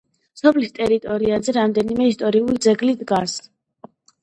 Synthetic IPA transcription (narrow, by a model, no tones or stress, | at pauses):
sɔpʰlist̪ʼɛɾit̪ʼɔɾiazɛɾamd̪ɛnimɛist̪ʼɔɾiulid̪zɛɡlid̪ɡas